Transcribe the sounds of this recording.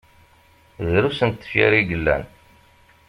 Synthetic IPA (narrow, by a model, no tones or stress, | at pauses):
ðɾusənt̪ːə̥fḭɾiɡəlːæ̰n